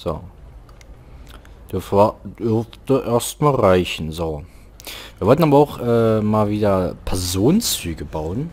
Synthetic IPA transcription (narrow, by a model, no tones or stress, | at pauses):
z̥o̰ː | d̥ʏɐfvad̥ʏɐftəʔeːɐstmaːlʁaɪçn̩zoː | v̥iːɐvɔltn̩aːbɐaʊxʔɛːmaːlviːdɐpʰɛɐzoːnnt͡syːɡəbaʊən